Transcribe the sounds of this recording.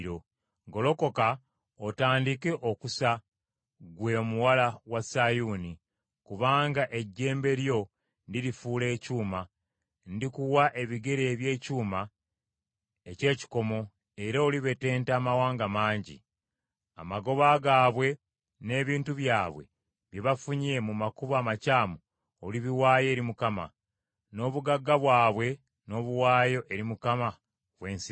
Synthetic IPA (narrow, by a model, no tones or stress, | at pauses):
ɾo | ɡo̞lo̞ko̞ka | otaːndike̞ʔokusa | ɡwe̞muwalawasajuːni | kuβaːŋɡaʔe̞ɟːe̞ːmbe̞ɾjo̞ | ndiɾifuːle̞ːcuːma | ndikuwaʔe̞βiɡe̞ɾe̞ːβje̞ːcuːma | ece̞ːci̥ko̞mo̞ | e̞ɾaoliβe̞te̞ːntaːmawaːŋɡamaːɲɟḭ | a̰maɡo̞βaɡaːβwe̞ | ne̞ːβiːntuβjaːβwe̞̰ | βjiβafuɲe̞mumakuβaːmacaːmo | oliβiwaːje̞ːɾimukama̰ | no̞ːβuɡaɡːaβwaːβwe̞ | no̞βuwaːjo̞ʔe̞ɾimukama | βwe̞ːnsi